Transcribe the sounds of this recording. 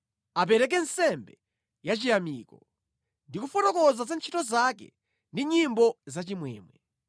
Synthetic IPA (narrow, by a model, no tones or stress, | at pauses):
ap̬ɛɾɛk̬ɛnsɛmbɛ | jat͡ʃijamiːkɔ | ndikufɔtɔkɔzazant͡ʃʰitɔzakɛ̰ | ndiɲimbɔzat͡ʃimwɛ̰ːmwɛ